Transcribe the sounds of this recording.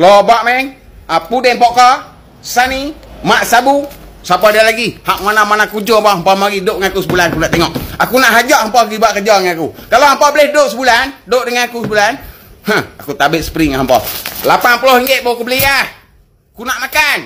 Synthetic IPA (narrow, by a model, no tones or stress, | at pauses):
lobaʔmɛŋ | apudɛmpɔʔkɔ | sanimaʔsabusapadialaɡihaʔ̚manamanakud͡ʒoampaʔhampɔmaɡidoʔŋanakusəbulanakunaʔt̪eŋɔʔakunaʔɦad͡ʒɔʔhampɔɡibaʔkəd͡ʒɔŋanakukalohampɔbəlɪhdoʔsəbulandoʔdəŋanakusəbulanhaakut̪abɪt̪̚sə̥pɾiŋaɦampɔ̰lapanpulohiŋɡeʔ̪̚bokubəliah | kunaʔmakan